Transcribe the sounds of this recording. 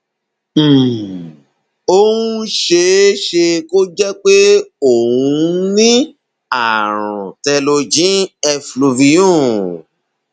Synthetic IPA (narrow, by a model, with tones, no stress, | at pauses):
o˧hũ˦ʃe˧˦ʃe˧ko˦d͡ʒɛ˦k͡pe˦o˦˨hũ˧˦nĩ˦ | a˨ɾ̃ũ˨tɛ˧lo˧d͡ʒĩ˨˦ɛ˧flu˧vi˧jũ˦˨